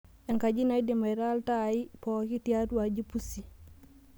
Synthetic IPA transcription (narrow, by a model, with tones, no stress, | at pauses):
ɛ˨ŋka˨d͡ʒi˦na˨i˦di˨ma˨ɾa˦lta˦˨i˦pɔ˨ki˦ti˦a˦tu˦a˨d͡ʒi˦pu˦si˨